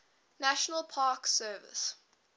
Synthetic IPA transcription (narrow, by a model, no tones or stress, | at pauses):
naʃənəlˠpʰɑːksɜːvɪ̰s